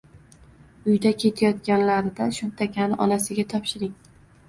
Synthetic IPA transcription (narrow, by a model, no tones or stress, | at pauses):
ʊjd̪akʲʰe̞t̪ʰajɒt̪kʲanlaɾɪd̪aʃʊmt̪ʰakʲʰanɪʔɒnasɪɡʲat̪ʰɒpʃɪɾɪŋ